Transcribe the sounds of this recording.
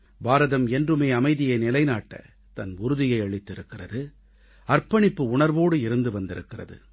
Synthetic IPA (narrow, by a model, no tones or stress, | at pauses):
baːɾɐðɐmɛndrɯmeːɐmɐɪðɪjɐnɪlɐɪnaːʈːɐ̰ | t̪ɐnʊɾɯðɪjɐɪɐɭɪt̪ːɪɾɯkːɪrɐðɯ | ɐrpɐɳɪpːɯʊɳɐɾʋoːɽɯɪɾɯnd̪ɯʋɐnd̪ɪɾɯkːɪrɐ̰ðɯ̰